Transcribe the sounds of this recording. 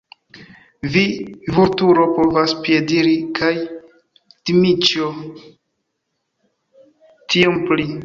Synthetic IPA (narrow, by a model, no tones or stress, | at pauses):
vivuɾtuɾo̞po̞vaspjediɾikʰaj | timit͡ʃo | tʰiompli